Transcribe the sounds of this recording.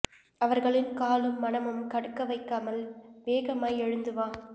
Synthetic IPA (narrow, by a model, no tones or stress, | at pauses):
ɐʋɐɾɣɐɭɪnkaːlɯmːɐnɐmɯmkɐɽɯkːɐʋɐɪkːaːmɐlʋeːɣɐmaːjɛɻɯnd̪ɯʋaː